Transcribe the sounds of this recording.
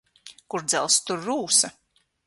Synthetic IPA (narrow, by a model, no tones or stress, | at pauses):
kuɾd̪zɛ̰lˠst̪uɾːuːsɐ